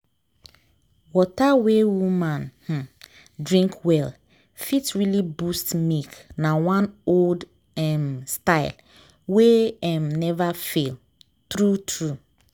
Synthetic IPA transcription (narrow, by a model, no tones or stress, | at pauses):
wɔtawewumãnh̩ | dɹĩŋkʰwɛl | fitɹilibustmiknawãnold | ɛmstaɪl | weɛmnɛvafel | tɾutʰɹu